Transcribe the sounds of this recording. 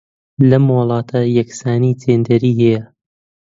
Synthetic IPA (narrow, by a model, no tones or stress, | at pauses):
lɐmwʊlˠɑːt̪ʰɐjɐksaːnit̪ʰeːnd̪ɐɾiːhɛjɐ